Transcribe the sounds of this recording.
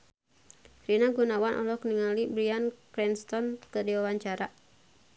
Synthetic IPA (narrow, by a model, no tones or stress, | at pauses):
ɾinaɡunawanʔɔ̰lɔkniŋalibɾiankɾɛnst̪ɔnkədiwawaɲt͡ʃaɾa